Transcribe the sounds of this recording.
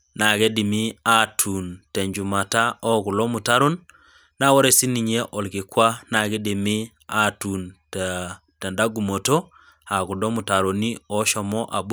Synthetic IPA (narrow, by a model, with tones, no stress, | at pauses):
na˨ke˦di˨mi˦a˦tʰu˨ntɛ˨ɲd͡ʒu˨ma˨ta˦ɔ˦ku˨lɔ˦mu˨ta˦ɾo˦nː | a˦wo˦ɾe˨si˦ni˨ɲe˦ʔɔ˨lkɪ˨kwa˦na˨kɛ˦di˨mi˦ | a˦tu˨nt | tɛ˨nda˦ɡu˨mo˨to˦ | a˨ku˨dɔ˦mu˨ta˨ɾo˨ni˦ɔ˨ʃɔ˨mɔ˦ʔa˨b